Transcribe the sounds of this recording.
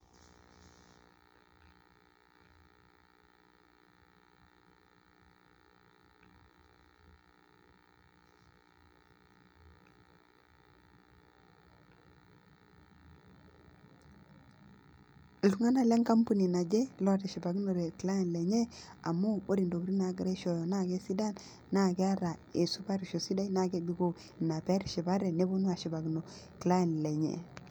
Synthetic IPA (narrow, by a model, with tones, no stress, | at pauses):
lu˨ŋa˦na˨le˦ŋka˦mpu˦ni˨na˨d͡ʒe˦lo˦te˨ʃi˨ba˨ɡno˨ɾe˨kla˦je˨nle˨ɲe˦a˨mo˦o˦ɾi˨ndo˨bɾi˦na˨˦ɡɾe˦ʃo˨jo˨na˦˨ɡe˦si˦da˦n | na˦˨ɡe˦a˦ɾa˨e˨su˦ba˦ɾi˨ʃo˨si˦da˦i˦na˦˨ɡe˦bi˦ɡo˦˨ | na˨pɛ˦ɾʃi˨ba˦ɾe˨ne˦bo˦nwa˨ʃi˨ba˨ɡi˨no˨ | kla˦e˨nle˨ɲḛ˦˨